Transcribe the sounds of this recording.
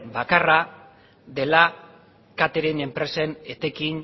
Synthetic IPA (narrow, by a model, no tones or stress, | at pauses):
bakara | ðe̞la | kat̪eɾene̞mpɾe̞se̞net̪e̞kin